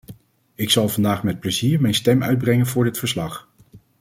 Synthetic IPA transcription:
ɪksɑlˠvɑndaːχmɛt̚pləziːɹmɛjnstɛmœ̰ɥd̚brɛŋənvʊːɹdɪtfəɹslɑχ

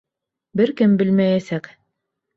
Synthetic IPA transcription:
bɘɾkɘmbɘlmæjæsæk

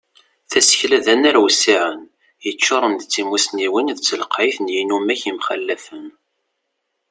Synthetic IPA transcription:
θæsə̥çlæðænæɾwsːiʕən | jət͡ʃːoɾˤənd̪t͡sːimusniwinðt͡sːləqʕiθnjinumæçimχəlːæfən

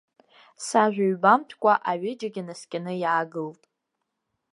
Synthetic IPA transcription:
saʒᶣʷaɥbamtʰkʷʼaʔaɥɪd͡ʒaɡʲanaskʲʼanɨjaːɡɨltʼ

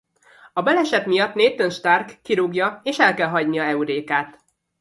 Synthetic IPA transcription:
ɒbɛlɛʃɛt̪mijɒt̪neːt̪ːønʃt̪arkːiɾuɡjɒeːʃɛlkɛlɦɒɟnijɒɛuɾeːkaːt̪

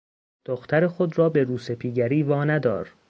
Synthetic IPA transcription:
d̪̥oxt̪ʰæɾexo̞d̪rɒːbe̞ɾuːse̞pʰiːɡæɾiːvɒːnæd̪ɒ̰ːɾ

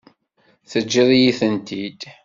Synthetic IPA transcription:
θəd͡ʒːiðˤjiθənt̪id̪

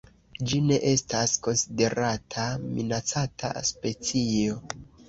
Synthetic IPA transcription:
d͡ʒine̞ʔe̞stasko̞nside̞ɾatʰamḭnat͡satʰa̰spe̞t͡sijo̞

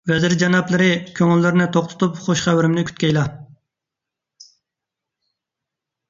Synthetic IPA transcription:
vɛzɪɾd͡ʒɛnɑplˠɨɾɪkʲʰøŋylːɪɾɪnɪt̪ʰoχt̪ʰʊ̥t̪ʰupχoʃχæwɪɾɪmnɪkʲʰy̥t̪kʲɛjlˠɑ

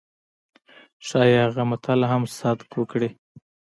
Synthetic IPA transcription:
ʃɑjehaɣamat̪ʰalaɦamsɑd̪kwəkɽi

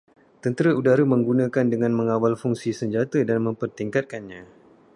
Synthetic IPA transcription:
t̪ənt̪əɾaʔudaɾəmə̃ŋɡunãkandəŋãnmə̃ŋawalfuŋsisəɲd͡ʒat̪ədanmə̃mpərt̪iŋkat̪̚kanɲã

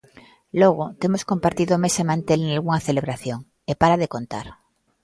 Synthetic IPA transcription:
loɣ̞ot̪e̞moskompaɾt̪iðomesemãnt̪elenalɣuŋaθeleβ̞ɾaθjoŋ | epaɾaðekont̪a̰ɾ

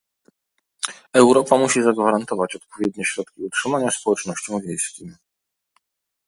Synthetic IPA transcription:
ɛwɾɔpamuɕizaɡvaɾant̪ɔvat͡ɕɔt̪pɔvʲjɛd̪ɲɛɕɾɔt̪kʲiutʂɘmaɲaspɔwɛt͡ʂnɔɕt͡ɕɔ̃w̃vʲjejskʲim

